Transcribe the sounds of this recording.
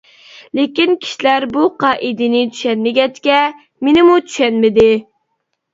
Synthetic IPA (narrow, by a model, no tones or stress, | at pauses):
lekʲinkʲʰi̥ʃilæɾbuqɑːʔid̪ɪnɪt͡ʃ̪ʰy̥ʃɛnmɪɡʲɛt͡ʃkʲɛ | menɪmut͡ʃʰy̥ʃɛnmɪd̪ɪ